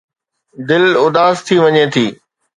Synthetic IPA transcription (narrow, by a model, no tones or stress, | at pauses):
d̪ɪlʊd̪aːst̪ʰiʋɐɲet̪ʰiː